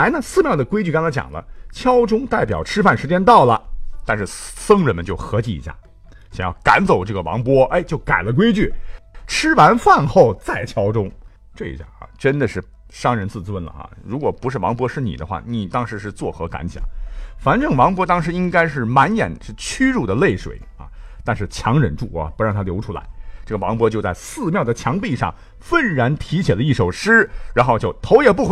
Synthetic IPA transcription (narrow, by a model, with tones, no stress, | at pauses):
la˧˥ɪnə˧sɹ̩˥˧mjɑ˥˩ʊd̪ə˩kwe˥ɪt͡ɕy˥˩kə˥nt͡sʰa˥t͡ɕj̰ŋlə̰˦t͡ɕʰjɑ˥ʊʈ͡ʂʊ˥ŋt̪a˥˩ɪpjɑ̰˨˩ʊʈ͡ʂʰɻ̩˥fa˥˩nʂɻ̩˧˥t͡ɕjɛ˥nt̪ɑ˥˩ʊlə̰˩t̪a˥˧nʂ̬ɻ̩˥˩sɤ˥ŋɻə˧˥nmə˧nt͡ɕjo˥˩ʊxɤ˧˥t͡ɕi˧˩ḭ˧˥ɕja̰˥˩ | ɕjŋjɑ˥˩ʊka̰˧˥nt͡so˨˩ʊʈ͡ʂɤ˥˩ɡə˩wɑ̰˧˥ŋpwɔ˥e˥ɪt͡ɕjo˥˩ʊka˨˩ɪlə˦k̬we˥ɪt͡ɕy˥˩ʈ͡ʂʰɻ̩˥wa˧˥nfa˥˧nxo˥˩ʊt͡sa˥˩ɪt͡ɕʰjɑ˥ʊʈ͡ʂʊ˥ŋ | ʈ͡ʂɤ˥˩ḭ˧˥ɕja̰˥˩xɑ̰˧˩ʈ͡ʂə˥nd̪ə˨ʂɻ̩˥˩ | ʂɑ˥ŋɻə˧˥nt͡sɹ̩˥˧˩t͡swə˥˩nlə̰˩xɑ̰˧˩ɻu˧˥kwɔ˨˩pu˧˥ʂɻ̩˥˩wɑ̰˧˥ŋpwɔ˧˥ʂɻ̩˥˩nḭ˨˩d̪ə̰˦xwa̰˥˩ni˨˩t̪ɑ˥ŋʂɻ̩˧˥ʂɻ̩˥˧t͡swɔ˥˩xɤ˧˥ka̰˧˥nt͡ɕʰjɑ̰˨˩˦ŋfa˨˩nʈ͡ʂɤ˥˩ŋwɑ˧˥ŋpwɔ˧˥t̪ɑ˥ŋʂ̬ɻ̩˧˥i˥ŋka˥ɪʂ̬ɻ̩˥˩ma˧˥njɛ̰˨˩nʂɻ̩˥˩t͡ɕʰy˥ɻu˥˩d̪ə˩le˥˩ɪʂwḛ˨˩˦ɪɐ̰˧˩t̪a˥˧nʂɻ̩˥˩t͡ɕʰjɑ˧˥ŋɻə˧˩nʈ͡ʂu˥˩ɐ̰˧˩pu˧˥ɻɑ˥˩ŋt̪ʰa˥ljo˧˥ʊʈ͡ʂʰu˥la̰˧˥ɪʈ͡ʂɤ˥˩ɡə˩wɑ˧˥ŋpwɔ˧˥t͡ɕjo˥˧ʊt͡sa˥˧ɪsɹ̩˥˧mjɑ˥˩ʊd̪ə˩t͡ɕʰjɑ˧˥ŋpi˥˧ʂɑ̰˥˩ŋ | fə˥˩nɻa˧˥nt̪ʰi˧˥t͡ɕʰɛ˨˩lə˦i˥˩ʂo˨˩ʊʂɻ̩˥ɻa˧˥nxo˥˧t͡ɕjo˥˩ʊt̪ʰo˧˥ʊjɛ˨˩p̬u˥˩x